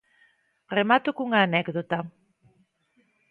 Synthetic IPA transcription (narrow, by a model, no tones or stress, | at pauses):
remat̪ʊkuŋaːnɛkðot̪a